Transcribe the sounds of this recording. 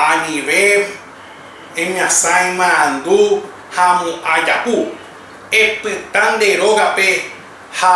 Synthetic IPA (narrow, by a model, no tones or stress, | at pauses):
anĩʋe | ẽɲãsãj̃mããnd̪u | hamũʔad͡ʒapu | epɨt̪and̪e̞ɾoɣape | ha